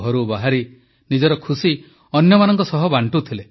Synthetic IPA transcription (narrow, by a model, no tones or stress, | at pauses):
ɦɔɾubaɦaɾi | nid͡ʒɔɾɔkʰusi | ɔnjɔmanɔŋkɔsɔɦɔbaɳʈut̪ʰile